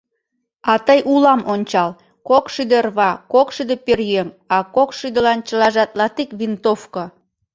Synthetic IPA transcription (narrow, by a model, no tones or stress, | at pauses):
ɑt̪əjʔulɑmonʲt͡ɕɑl | kokʃyd̪erβɑkokʃyd̪eperjeŋ | ɑkokʃyd̪ə̆lɑnt͡ɕəlɑʒɑt̪lɑt̪ikβint̪ofko